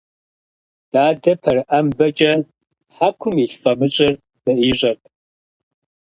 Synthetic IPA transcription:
d̥aːdɐpʰɐrambɐt͡ʃʼɐ | ħakʷʰʊmiɬfʼɐmɨɕʼɪr | d̥ɐiːʑʼɐp̚ʰʼ

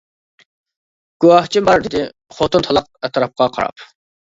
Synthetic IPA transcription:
ɡ̥uwɑht͡ʃʰimɑɾd̪ɪd̪ɪ | χot̪ɨnt̪ʰɑlˠɑp̚ɛt̪ʰɾɑp̚qɑqʰɑ̰ɾɑ̰p

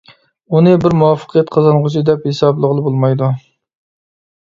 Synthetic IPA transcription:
unɨbɪɾmuwɑfːə̥qʰijɛt̪̚qʰɑzɑnʁʊt͡ʃʰid̪ɛphesɑblˠəʁəlˠɨbolˠmɑjd̪u

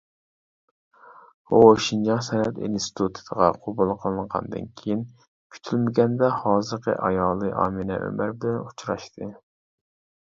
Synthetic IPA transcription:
uoʃind͡ʒɑŋsɛnɛt̪ḭnst̪t̪ʰut̪ʰɨ̥d̪əʁɑqʰobulˠqʰəlˠɨɴʁɑ̰nd̪ɨ̰nkʲʰejin | kʲʰy̥t̪ʰylmɪɡʲɛnd̪ɛhɑːzɨɾqʰə̰ʔɑjɑːlˠɨʔɑ̰ːmɨnɛ̰ʔø̰mæɾbɪlɛnut͡ʃʰɾɑ̰ʃt̪ʰɨ

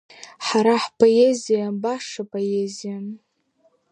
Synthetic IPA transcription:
ħaɾaħpʰʼoezijanbaʂapʼoezijan

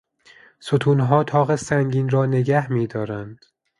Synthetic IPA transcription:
sot̪ʰuːnɦɒːt̪ʰɒːɣesæŋɡiːnɾɒːne̞ɡæhmiːd̪ɒːɾænd̪̥

